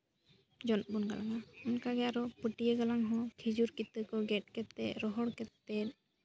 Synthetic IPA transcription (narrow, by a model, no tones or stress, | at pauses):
d͡ʒɔnbunɡalaŋaɔnkaɡɛaɾɔpəʈijəɡalaŋɦɔ̃kʰid͡ʒuɾkit̪ːəkɔɡɛʈ̚kɛt̪ːɛɾɔɦɔɽkɛt̪ːɛ